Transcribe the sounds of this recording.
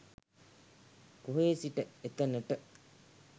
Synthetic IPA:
kuɦeːsiʈəet̪ɐnəʈə

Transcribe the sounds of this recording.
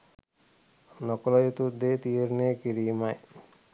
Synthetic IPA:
nɔkɔlajet̪ud̪et̪ieɾnekiɾimaj

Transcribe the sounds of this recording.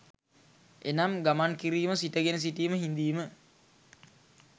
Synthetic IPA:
enamɡamankiɾiːməsiʈəɡenəs̬iʈiːməɦind̪iːmə

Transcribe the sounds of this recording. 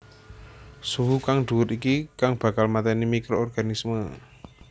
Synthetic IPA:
suɦukaŋɖ̪̥ṳwʊt̪ikikaŋb̥a̤kalmat̪ɛnimikɾoɔrɡ̥a̤nismə

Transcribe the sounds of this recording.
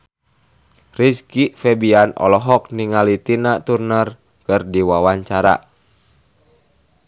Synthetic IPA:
riskifɛbianɔ̰lɔɦɔk̚niŋalit̪inat̪urnər | kɨrdiwawaɲt͡ʃaɾa̰

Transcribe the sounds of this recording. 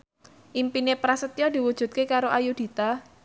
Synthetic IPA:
ʔimpinepɾasət̪jɔd̪i̤wud̥ʒ̥ṳt̪̚kekaɾoʔajud̪̥i̤t̪a

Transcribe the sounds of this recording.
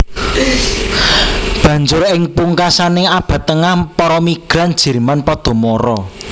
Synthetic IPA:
b̥ä̤ɲd͡ʒʊrɪŋpuŋkasanɪŋab̥ä̤t̪ːəŋahpɔɾɔmiɡ̥ɾand̥ʒ̥ɛ̤ɾmanpɔd̪̥ɔ̤mɔɾɔ

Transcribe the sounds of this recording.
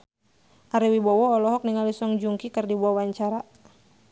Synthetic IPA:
ʔaɾiwibɔwɔːlɔɦɔk̚niŋalisɔŋd͡ʒuŋkikɨrdibuɔwaɲt͡ʃaɾa

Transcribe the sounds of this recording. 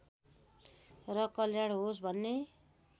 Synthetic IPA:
rʌkʌljaɽɦos̬bʱʌnːe

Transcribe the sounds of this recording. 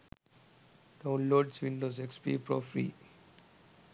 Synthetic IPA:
ɖ̥ãʊ̃nloːɖsʋĩnɖozekspḭːpɾɔ̰fɾḭː

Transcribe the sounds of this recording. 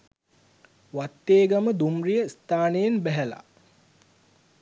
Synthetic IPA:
ʋat̪ːeːɡaməd̪umrijəst̪aːnejenbæɦæla̰

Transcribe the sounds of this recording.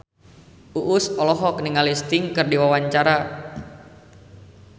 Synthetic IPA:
uʔʊsɔlɔɦɔk̚niŋalist̪ɪŋkɨrdiwawaɲt͡ʃaɾa

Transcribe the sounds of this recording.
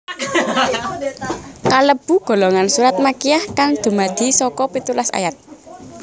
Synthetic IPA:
kaləb̥ṳɡ̥o̤loŋansuɾat̪̚makijahkaŋd̪̥ṳmad̪̥i̤sɔkɔpit̪ulasa̰jat̪̚

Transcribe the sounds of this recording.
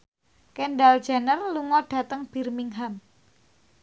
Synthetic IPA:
kenɖald̥ʒ̥a̤nərluŋɔɖ̥a̤t̪əŋb̥i̤rmiŋɦam

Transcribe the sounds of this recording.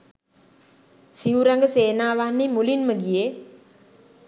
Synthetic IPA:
siuɾaŋɡəseːnaːʋanːimulinməɡije

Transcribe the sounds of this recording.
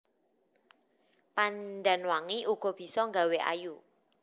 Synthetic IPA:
panɖanwaŋiʔuɡ̥ɔ̤b̥i̤sɔŋɡaweʔa̰ju

